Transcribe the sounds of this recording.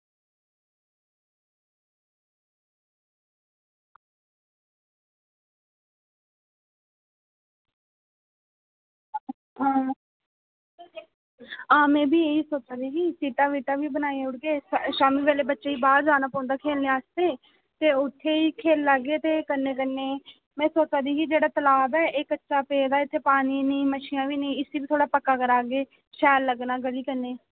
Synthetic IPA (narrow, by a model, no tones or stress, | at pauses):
ɦa | ãːmɛ̃ːbʱiːeːiːsoːt͡ʃaːd̪iːɡiːsiːʈãːʋiːʈaːʋiːbənaːeʊɽɡeːʃaːmiːʋeːleːbətːʃeːiːbaːdd͡ʒaːnaːpɔ̃ːnd̪aːkʰeːlneːaːst̪eː | t̪eːʊt̪ʰːeːiːkʰeːlːaɡeːt̪eːkənːeːkənːeː | mɛ̃ːsoːt͡ʃaːd̪iːkiːd͡ʒeːɽaːt̪əlaːbɛːeːkətːʃaːpeːd̪aːɪt̪ʰːeːpaːniːniːməʃiːãːʋiːnĩːɪseːbiːt̪ʰoːɽaːpəkːaːkəɾaːɡeː | ʃɛːlːəɡnaːɡəliːkəneː